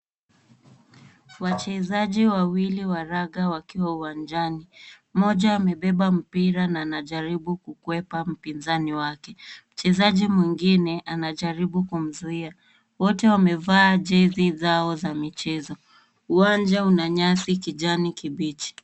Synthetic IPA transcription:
wat͡ʃɛzaʄiwawiliwaɾaɠawakiwauwand͡ʒani | mɔʄaːmɛɓɛɓam̩piɾanaːnaʄaɾiɓukukuwɛpam̩pinzaniwakɛm̩t͡ʃɛzaʄimwiŋɡinɛʔanaʄaɾiɓukum̩zuia | wɔtɛwamɛvaːʄɛzizaɔzamit͡ʃɛzɔ | uwand͡ʒaunaɲasikiʄanikiɓit͡ʃi̥

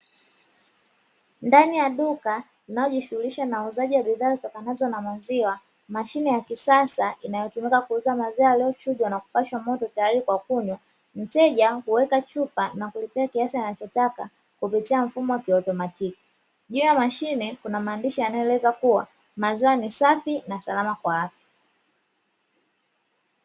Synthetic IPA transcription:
ndanijaɗuka | inajɔʄiʃuhuliʃanauzaʄiwaɓiðaːzitɔkanazɔnamaziwa | maʃinɛjakisasaʔinajɔtumikakuuzamaziwalɛɔt͡ʃuʄwanaku̥paʃwamɔtɔtajaɾikwakuɲwa | m̩tɛʄahuwɛkat͡ʃupanakulipɛakiasianat͡ʃɔtaka | kupitiaɱ̩fumɔwakiɔtɔmatiki̥ | ʄuːjamaʃinɛkunamaːndiʃianajɛlɛzakuwa̰ | maziwanisafinasalamakwaafja

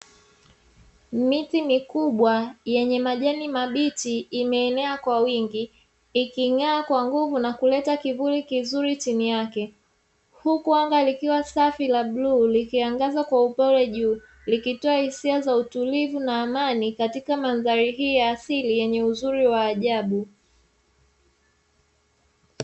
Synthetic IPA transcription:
mitimikuɓwajɛɲɛmaʄanimaɓitiːmɛːnɛakwawiŋɡiː | kiŋaːkwaŋɡuvunakulɛtakivulikizuɾit͡ʃinijakɛ | hukwaŋɡalikiwasafilaɓlulikiaŋɡazakwaupɔlɛʄuː | likitɔahisiazautulivunaːmanikatikamanðaɾiɦijaːsilijɛɲɛuzuɾiwaːʄaɓu

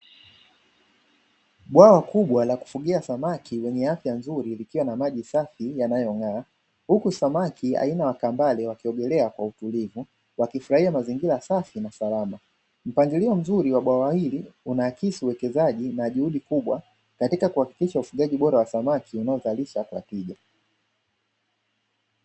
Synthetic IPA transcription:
ɓwawakuɓwalaku̥fuɠiasamakʰiwɛɲɛafjanzuɾilikiwanamaʄisafijanajɔŋaː | hukusamakʰia̰inawakambalɛwakiɔɡɛlɛakwautulivu | wakifuɾahiamaziŋɡilasafinasalama | m̩paŋɡiliɔm̩zuɾiwaɓwawahiliunaːkisiuwɛkɛzaʄinaʄuhuɗikuɓwa | katikakuhaki̥kiʃaufuɠaʄiɓɔɾawasamakiunaɔzaliʃakwa̰tiʄa

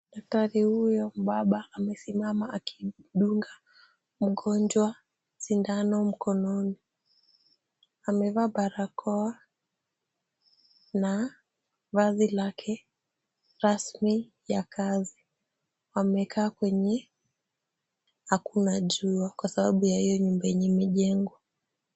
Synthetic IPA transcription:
ɗak̚taɾihujɔm̩ɓaɓaːmɛsimamaakʰiɗuŋɡa | m̩ɠɔnd͡ʒwa | t͡ʃindanɔm̩kʰɔnɔni | amɛvaɓaɾakʰɔa | na | vazilakʰɛ | ɾasmi | jakʰazi | wamɛkʰaːkwɛɲɛ | hakunaʄuakwasaɓaɓujahijɔɲumbaɛɲimiʄɛŋɡwa

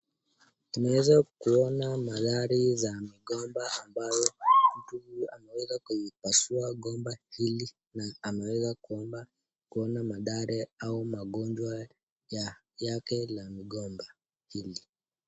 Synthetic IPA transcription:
unawɛzakuɔnamaðaɾizamiɠɔmbaambajɔm̩tuhuamɛwɛzakuipasuaɠɔmbahili | naːmɛwɛzakuɔmba | kuɔnamaɗaɾɛaumaɠɔnd͡ʒwa | ja | jakɛlamiɠɔmba | hili

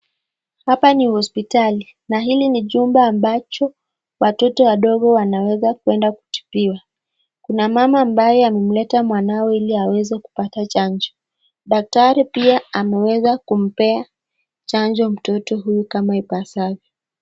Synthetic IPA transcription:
hapanihɔspitali | naɦiliniʄumbaːmbat͡ʃɔ | watɔtɔwaɗɔɠɔwanawɛzakwɛndaku̥tu̥piwa | kunamamaːmbajɛamɛm̩lɛtamwanawɔiliawɛzɛku̥patat͡ʃand͡ʒɔ | ɗak̚taɾɛpiaamɛwɛzakum̩pɛa | t͡ʃaɲd͡ʒɔm̩tɔtɔɦujukamaipasavjɔ

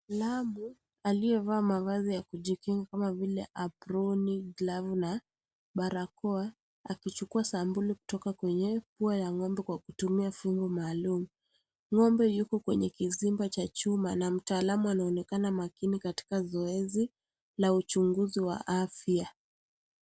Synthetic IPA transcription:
lamu | alijɛvaːmavazijakuʄikiŋɡakamavilɛʔapɾɔniɡlavna | ɓaɾakɔa | akit͡ʃukuasambuliku̥tɔkakwɛɲɛpuajaŋɔmbɛkwakutumiafuŋɡɔmaːlumu | ŋɔmbɛjukɔkwɛ̰ɲɛkizimbat͡ʃat͡ʃumanam̩taːlamuanaɔnɛkanamakinikati̥kazɔɛzi | laut͡ʃuŋɡuziwa̰ʔafja

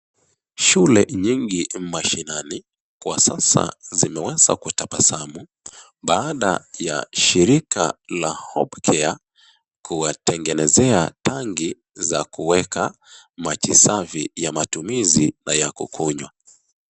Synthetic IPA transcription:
ʃulɛɲiŋɡim̩maʃinani | kwa̰sasa̰zimɛwɛza̰kutapasamu | ɓaːɗa̰ja̰ʃiɾika̰lahɔ̰ɓkʰɛa | kuwatɛŋɡɛnɛzɛataŋɡi | zakuwɛka | makisavijamatumizinajakṵkʰuɲwa

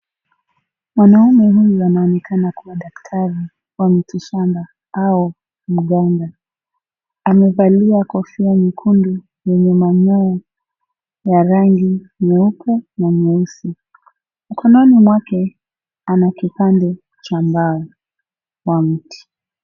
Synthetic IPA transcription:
mwanaumɛɦujuanaɔnɛkʰanakuwaɗaktʰaɾi | wamitiʃamba | au | m̩ɠaŋɡa | amɛvaliakɔfiamikʰundu | jɛɲɛmaɲɔɔ | jaɾaŋɡi | mɛupʰɛnaɲɛusi | m̩kʰɔnɔnimwakɛ | anakipandɛ | t͡ʃambaɔ | wam̩ti̥

